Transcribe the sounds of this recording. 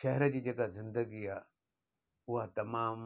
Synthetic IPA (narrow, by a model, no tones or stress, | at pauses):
ʃɐɦɛɾəd͡ʑiːd͡ʑeːkazɪ̃nd̪əɡiaː | ʊɦat̪ɐmaːm